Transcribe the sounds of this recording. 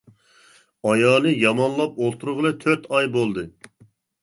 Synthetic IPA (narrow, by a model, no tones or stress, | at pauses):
ɑjɑːlˠɨjɑmɑnlˠɑp̚olˠt̪ʰuɾʁəlˠɨt̪ʰøɾt̪ʰɑjbolˠd̪ɨ